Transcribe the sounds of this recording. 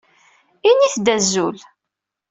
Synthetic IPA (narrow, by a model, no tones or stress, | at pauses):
iniθd̪æzːul